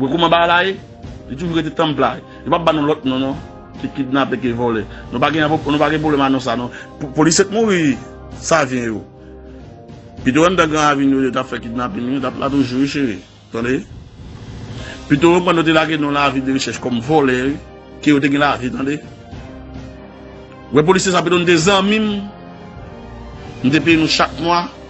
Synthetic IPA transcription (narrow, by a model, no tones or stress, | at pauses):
wekumãbalaje | lit̬uʒuɣet̬etãmpla | jopabanũlɔt̚nɔ̃nɔ̃ | kikit̚napẽk̬evɔlɛnũpaɡɛ̃ponũpaɡɛ̃p̬oblɛmanɔ̃s̬anɔ̃ppoliset̪̚muɣi | savjɛ̃jo | pit̪̬owɛ̃mt̪ãɡãaviñojot̬apfɛkit̚napĩnjotaplʔa̰t̬uʒuiʃeɣe | tãde | pit̪̬owɛ̃mkãnot̬elaɡenɔ̃lavideɣeʃɛʃkɔmvolɛi | kejot̬eɡɛ̃lavit̪ãde | wɛp̬olisesapit̪̬onũt̪̬ezɐ̃mĩm | nũt̪̬ep̬ejenũʃak̚mwa